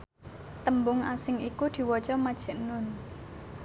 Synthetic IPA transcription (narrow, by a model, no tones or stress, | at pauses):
t̪əmbʊŋasɪŋikud̪̥i̤wɔt͡ʃɔmad̥ʒ̥ɛ̤ʔnʊn